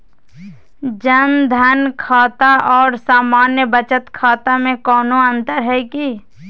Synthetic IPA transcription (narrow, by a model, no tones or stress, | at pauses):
d͡ʒənd̪ʱənkʰaːt̪aʔɔːɾsaːmaːnjəbət͡ʃət̪kʰaːt̪amẽkɔːnoə̃nt̪əɾɦɛːki